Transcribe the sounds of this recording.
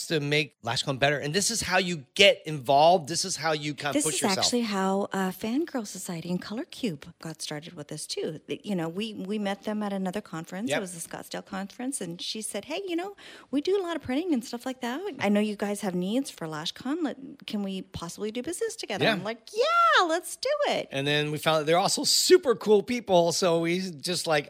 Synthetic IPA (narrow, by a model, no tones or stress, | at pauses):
stʰɨmeɪklæ̰ʃkʰɑ̃nbɛɾə˞ʔɨ̃nðɪsɨz̥haʊjɨɡ̥ɛɾɨ̃ɱvɑlˠvd̪̚ðɪsɨz̥haʊjɨkʰãɪnðɪspʊɨzt͡ʃækɛ̰ʉl̩ˠiɦaʊʔʌfæ̃nɡɜ˞lˠsəsaɪɨɾiɨ̃nkʰʌlˠə˞kʰj̥ʉb̥ɡ̥ɑtstɑɹɾɨd̚wɨðɪstʰʉjɨnoʊwiwimɛt̪̚ðɨ̃məɾɨnʌðə˞kʰɑ̃ɱfɹɨ̃nsjɨt̚wʌzɨskɑ̰tsteɪlˠkʰɑ̃ɱfɹɨ̃nsɨ̃nʃisɛd̚ɦeɪjɨñoʊwidɨəlɔɾʌv̥pʰɹ̥ɪ̃ɾ̃ɪ̃ŋɨ̃nstʌflaɪk̚ðæt̚ʔa̰ɪnoʊjɨɡaɪz̥ɨvnidz̥fə˞læʃkʰɑ̃nlɛt̚kʰɨ̃nwipʰɑsəblidɨbɪznɨstʰɨɡɛðə̃˞nlaɪkjælətsd̥ɨɪt̚ʔɨ̃nðɨ̃nwifãʊ̃nɨðə˞ɔlˠsoʊsʉpə˞kʰulˠpipl̩ˠsoʊwid͡ʒʌstˡlaɪk